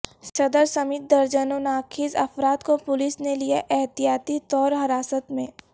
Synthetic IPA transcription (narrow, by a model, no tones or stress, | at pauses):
ʃɐd̪əɾsɐmɪt̪̚d̪ɐɾd͡ʒənonaːkʰɪzɐfɾaːt̪kopʊlɪsnelijeʔɛɦt̪ijaːt̪it̪ɔːɾɦɐɾaːsət̪mẽː